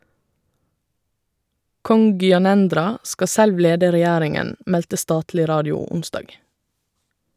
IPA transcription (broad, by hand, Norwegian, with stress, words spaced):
ˈkɔŋ ɡʏɑˈnɛndɾɑ ˈskɑ ˈsɛlʋ ˈleːdə ɾɛˈjæːɾɪŋən ˈmɛltə ˈstɑːtlɪ ˈɾɑːdɪʊ ˈʊnˌsdɑːɡ